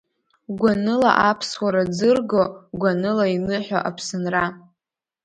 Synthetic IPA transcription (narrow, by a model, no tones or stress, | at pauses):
ɡʷanɨla̰ʔapʰswaɾad͡zɨrɡoɡʷanɨlainɨħʷᶣa̰ʔapʰsɨnra